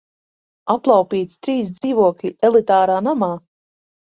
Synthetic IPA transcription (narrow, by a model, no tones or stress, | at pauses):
aplˠawpʲiːt̪sʲt̪ɾiːs̬d̪ziːvuɔklʲiɛlˠit̪aːɾaːnamaː